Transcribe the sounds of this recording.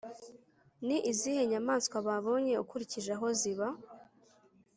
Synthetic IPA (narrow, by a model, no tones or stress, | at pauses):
niʔizihe̞ɲamaːnskwaβaβo̞ɲe̞ukuɾiciʒaɦo̞ziβa